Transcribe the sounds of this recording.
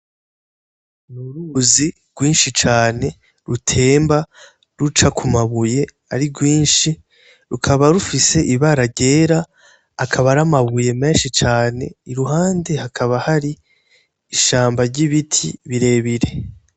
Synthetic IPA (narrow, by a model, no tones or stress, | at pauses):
nuɾuzi | ɡ̥wiːnʃit͡ʃaːne̞ | ɾutʰe̞ːmba | ɾut͡ʃakʰumaβuje̞ | aɾiɡwiːnʃi | ɾukʰaβaɾufise̞ʔiβaɾaɾɟe̞ːɾaː | kʰaβaɾamaβuje̞me̞ːnʃit͡ʃaːne̞̰iɾuɦaːnde̞hakʰaβahaɾi | iʃaːmbaɾɟiβitʰḭβiɾe̞ːβiɾe̞